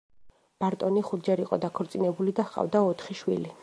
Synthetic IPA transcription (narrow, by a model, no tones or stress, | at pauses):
b̥aɾt̪ʼɔniχud̪d͡ʒɛɾiqʼɔ̰d̪akʰɔɾt̪sʼinɛbulid̪aχqʼa̰vd̪aɔt̪ʰχiʃwḭli